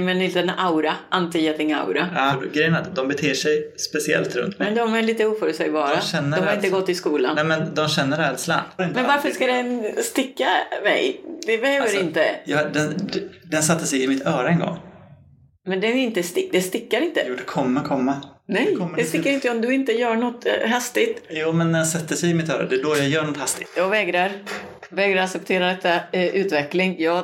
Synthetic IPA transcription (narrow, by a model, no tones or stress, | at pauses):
ɛmɛnɪnt̪ɛnawɾaʔant̪ijat̪ɪŋa̰wɾaɡɾɛjənɾat̪d̪ɔmbɛt̪ʰeːʂɛjspɛsɪɛ̰lt̪ɾɵ̰nt̪mɛnd̪ɔmæɭiːt̪əuːfœɾʉt̪sɛjbɑːɾaɛnːəɔmhaɾɪnt̪əɡɔt̪ːɪskuːla̰nɛmɛnd̪ɔmɕɛnːəɾɛːd̪sla̰nmɛnvaɾfəʂkad̪ɛnst̪ɪkːamɛ̰jd̪ɛbɛhøːvəɾɪnt̪əjɑd̪ɛnd̪ɛnsat̪ːəsɛjɪmɪt̪œːɾaɛnɡɔ̰ŋː | mɛnd̪ɛnɪnt̪əst̪ɪd̪ɛst̪ɪkːaɾɪnt̪əjuːd̪ɛkʰɔmːakʰɔmːanɛjɔmd̪ɛst̪ɪkːaɾɪnt̪əɔmd̪ɵɪnt̪əjœːɳɔt̪ɦast̪ɪt̪juːmɛnd̪ɛɛnsɛt̪ːəsɛjɪmɪt̪œːɾa̰d̪ɛɖojɑjœːɳɔt̪hast̪ɪt̪jɑːɡvɛːɡɾaɾ | vɛːɡɾaɾaksɛp̚t̪ʰeːɾad̪ɛt̪ːaʔʉ̟ːt̪vɛklɪŋjɑː